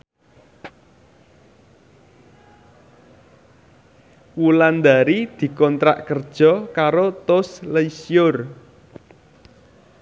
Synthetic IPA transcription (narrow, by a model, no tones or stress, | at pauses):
wuland̪aɾid̪̥i̤kɔnt̪ɾa̰ʔkərd̥ʒ̥ɔ̤kaɾot̪osleisjʊr